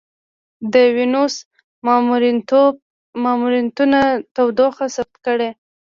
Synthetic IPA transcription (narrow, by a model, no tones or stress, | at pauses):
d̪əwinos | ɾ | mɑmuɾint̪unat̪awd̪oxasab̚t̪̚kəɽe